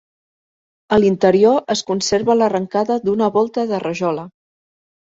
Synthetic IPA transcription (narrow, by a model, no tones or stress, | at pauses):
əlint̪əɾioʔəskunseɾβələrəŋkaðəd̪unəβɔlˠt̪əðərəʒɔlə